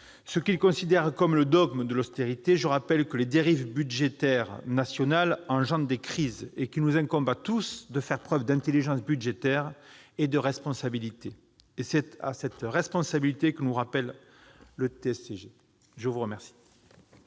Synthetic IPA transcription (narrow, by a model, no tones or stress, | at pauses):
səkilkɔ̃sid̪ɛʁkɔmləd̪ɔɡmd̪əlɔst̪eʁit̪eʒəʁapɛlkəled̪eʁivbydʒet̪ɛʁnasjɔnalɑ̃ʒɑ̃d̪d̪ekχizekʲinuzɛ̃kɔ̃mbat̪usd̪əfɛʁpχœvd̪ɛ̃t̪eliʒɑ̃sbyd̪ʒet̪ɛʁ | ed̪əʁɛspɔ̃sabilit̪eː | sɛt̪a̰sɛt̪ʁɛspɔ̃sabilit̪ekənuʁapɛlː | ət̪eɛseʒe | ʒəvuʁəmɛʁsi̥